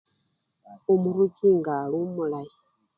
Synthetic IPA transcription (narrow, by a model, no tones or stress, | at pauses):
umuɾuɡiŋɡaɺumulai